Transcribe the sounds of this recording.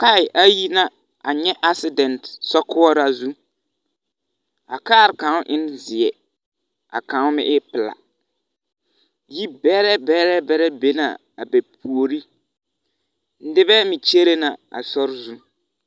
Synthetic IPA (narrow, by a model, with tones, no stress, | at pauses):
ka˦ɪ˨ʔa˦ji˦na˦ | a˨ɲɛ˦ʔa˦sɪ˦dɛ˨ntsɔ˦kʊ˦ɔ˦ɾa˦zu˦ | a˨kaː˦˨ɾɪ˨kã˨˦ʊ˦ʔɪ˦n˦zɪ˨ɛ˨ | a̰˨kã˨˦ʊ˦mɪ̰˦ʔɪ˦pɪ˨la̰˨ | ji˦bɛ˦ɾɛ˦bɛ˦ɾɛ˦bɛ˦ɾɛ˦be˦na̰˨ | a̰˨bɛ˨p̚ʰu˨o˨ɾi˦ | n̩˦dɪ˦bɛ˦mɪ˨t͡ʃe˦ɾe˦na˨a̰˨sɔ˦ɾzu˦